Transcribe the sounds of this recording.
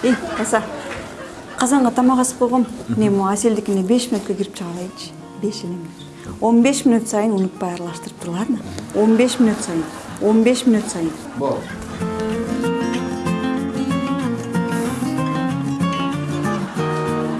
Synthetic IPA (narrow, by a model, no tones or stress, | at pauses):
e̞jbɑsɑ | qʰɑzɑɴʁɑt̪ʰɑmɑʁɑsɯ̥bo̞lˠʁo̞nnemase̞ld̪ikine̞be̞ʃminut̪køɡiɾip̚t͡ʃʰɨʁɑlˠɑjt͡ʃʰ | be̞ʃeleminy | o̞nbe̞ʃminut̪sɑjɯnunut̪̚pɑjɑɾɑlˠɑʃt̪ɯɾɯp̚t̪ʰuɾlˠɑd̪no̞nbe̞ʃminut̪sɑjɯn | o̞nbe̞ʃminut̪sɑjɯn